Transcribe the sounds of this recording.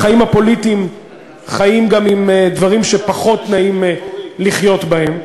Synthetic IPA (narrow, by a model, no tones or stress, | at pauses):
χaimhapo̞lit̪im | χajimɡamimd̪vaʁimʃe̞paχo̞t̪naimliχjo̞t̪bahe̞m